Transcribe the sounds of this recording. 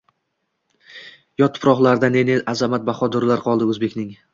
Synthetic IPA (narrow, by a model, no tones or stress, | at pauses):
jɒt̪ʰʊ̥pɾɒχlˠaɾd̪ane̞neʔazamat̪̚baχɒd̪ɒɾlaɾqʰɒlˠd̪ɪɵzbe̞kʲnɪŋ